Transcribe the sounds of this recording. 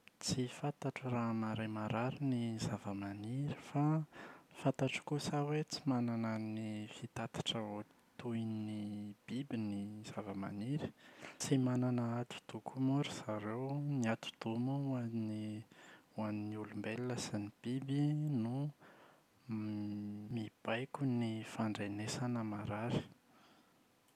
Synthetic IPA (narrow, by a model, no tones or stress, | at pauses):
t͡sifat̪aʈ͡ʂəraɦmaɾemaɾaɾinizavəmaniɾifafant̪aʈ͡ʂkusawet͡simananənifit̪at̪ḁʈ͡ʂəot̪ujinib̥ibiniz̥avəma̰niɾi̥t͡simananaat̪u̥d̪̥ukʰumuɾiz̥aɾewniat̪u̥d̪̥umuani | uaniniulumbeliləsinib̥ibinu | mib̥ajkʲunifaɳɖ͡ʐenesanəmaɾaɾi̥